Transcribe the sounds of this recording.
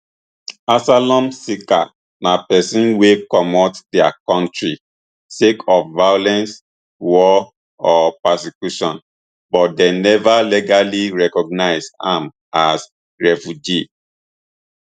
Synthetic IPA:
asalɔ̃msika̰ | napɛsĩnwekɔmɔtdɛa̰kɔ̃ntɹi | sekʰɔfvajɔlɛ̃ns | wɔ | ɔpɛsikjuʃɔ̃n | bɔt̚denɛvaliɡaliɹɛkɔɡ̚naɪsã̰m | as | ɹɛfud͡ʒi

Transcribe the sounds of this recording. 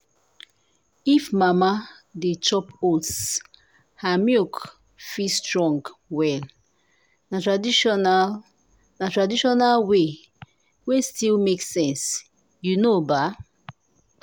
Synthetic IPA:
ifmama | det͡ʃɔpots | hamjuk | fistʰɹɔ̃ŋɡwɛl | natɹaina | natɹadiʃɔnalwe | westilmeksɛ̃ns | junoba

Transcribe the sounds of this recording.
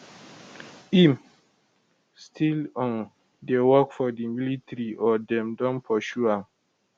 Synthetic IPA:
im | stʰilɔ̃n | dewɔkfɔdimilitɹiʔɔdɛ̃mdɔ̃npʰɔʃuãm

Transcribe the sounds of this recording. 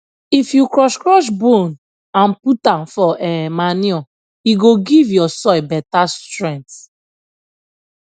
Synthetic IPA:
ifjukɹɔʃkɹɔʃ̬bõn | ãnputãnfɔʔɛmaniɔ | iɡoɡivjɔsɔjbɛtastɹɛ̃nt

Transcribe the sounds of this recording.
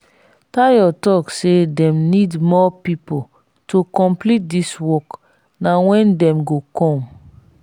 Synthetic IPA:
tajɔtɔksedɛ̃mnidmɔpipo | tʰokɔ̃mplit̚diswɔk | nawɛ̃ndɛ̃mɡokʰɔ̃m

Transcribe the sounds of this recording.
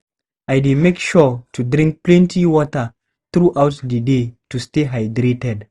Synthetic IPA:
ajdemekʃɔtʰudɾĩŋk̚plɛ̃ntʰiwɔtə | θɹuʔawtdədetusteɦajdɾetɛd

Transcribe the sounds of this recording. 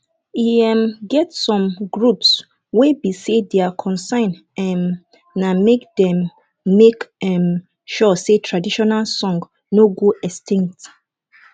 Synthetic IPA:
iɛ̃mɡɛtsɔ̃mɡɹups | webisedeakʰɔ̃nsãɪn | ɛm | namekdɛ̃mː | ekɛ̃m | ʃɔsetʰɹadiʃɔnalsɔ̃ŋɡ | noɡuɛstĩŋk̚t

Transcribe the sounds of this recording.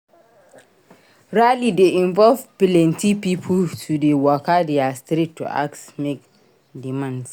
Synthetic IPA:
ɹalideʔĩɱvɔlvpilɛ̃ntʰipipʰutʰudewɔkadɛastɾitːṵʔa̰ksmek̚ | dimãnds

